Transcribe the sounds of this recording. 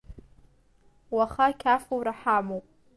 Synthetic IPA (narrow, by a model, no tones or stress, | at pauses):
waχakʲʰafowɾaħamowpʼ